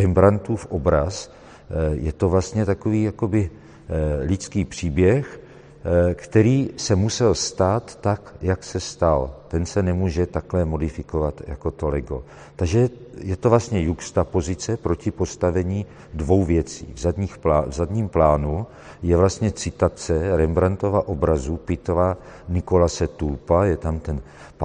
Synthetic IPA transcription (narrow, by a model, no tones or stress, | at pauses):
ɛmbɾant̪uːfʔobɾas | jɛt̪o̞vlast̪ɲɛt̪akoviːjako̞bɪ | lɪt͡skiːpr̥iːbjɛx | kt̪ɛɾiːsɛmusɛlst̪aːt̪ːakjaksɛst̪alt̪ɛnsɛnɛmuːʒɛt̪aklɛmo̞dɪfɪko̞vat̪ja̰ko̞t̪olɛɡo̞̰ | t̪aɡʒɛjɛt̪ovlast̪ɲɛjukst̪apo̞zɪt͡sɛpɾo̞cɪpo̞st̪avɛɲiː | dvo̞wvjɛt͡sḭːvzad̪ɲiːxavzad̪ɲiːmplaːnu | jɛvlast̪ɲɛt͡sɪt̪at͡sɛɾɛmbɾant̪ovaʔobɾazupɪt̪ova | nɪkolasɛt̪ulpajɛt̪amt̪ɛn | p